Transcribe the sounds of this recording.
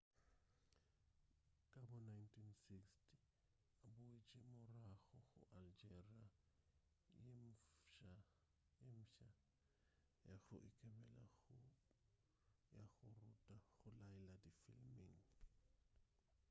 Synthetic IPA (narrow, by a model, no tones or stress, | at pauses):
kʼabɔnajntʼʰinsikstʰʼi | abʊet͡ʃʼimʊraɣɔɣʊ̰ʔald͡ʒɛria | jem̩ʃa | jem̩ʃa | jaɣʊ̰ʔikʼɛbɛla̰ | jaɣʊrutʼaɣʊlajɛladifḭlmiŋ